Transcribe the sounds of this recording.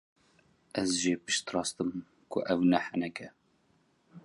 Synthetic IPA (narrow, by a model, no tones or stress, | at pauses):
ʔɛzʒeːpɨʃt̪rɑːst̪ɨm | kʰʊʔɛwnɛhɛnɛkɛ